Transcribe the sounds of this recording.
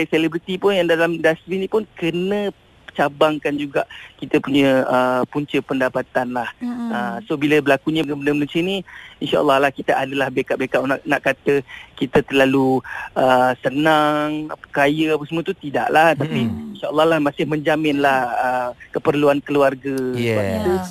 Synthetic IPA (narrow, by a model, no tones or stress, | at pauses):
selebɾit̪ipʊnjaŋdalamdast̪ɾinĩpʊnkənə̃ | t͡ʃabaŋkand͡ʒuɡaʔkit̪əpuɲə̃əpuɲt͡ʃəpəndapat̪anlahəsobiləbəlakuɲə̃kəbələmənũsiəniinʃa̰ʔə̰lːɑhlahkit̪aʔadəlahbekaʔbekaʔnaʔnaʔkːat̪əkit̪ət̪ərlaluʔəsənaŋa̰kajəapansəmũət̪ut̪ida̰ʔlaht̪apiinʃaʔəlːɑhlahmãsɪhməɲd͡ʒamɪnlahəkəpərluankəluarɡəəaiʔt̪u